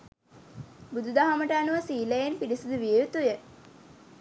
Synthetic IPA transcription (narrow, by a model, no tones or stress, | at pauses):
bud̪ud̪aɦaməʈəːnuʋəsiːləjenpiɾisud̪uʋijeut̪ujə